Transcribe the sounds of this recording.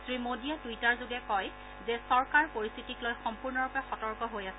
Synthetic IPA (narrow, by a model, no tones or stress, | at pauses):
sɹimodiatujtaɹzoɡɛkɔj | zɛsɔɹkaɹpoɹist̪ʰitiklojxɔmpuɹnɔɹupɛxɔtɔɹkɔɦojasɛ